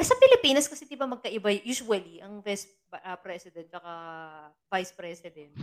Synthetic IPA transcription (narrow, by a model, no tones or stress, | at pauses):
ʔɐsɐpɪlɪpiːnɐskɐsɛd̪ɪbamɐɡ̚kɐʔɪbajjuːsʊwɐliʔɐŋvas | ʔɐpɾɛsɪd̪ɛ̃n̚t͡ʃɐka | vajspɾɛsɪd̪ɛ̃nt̪̚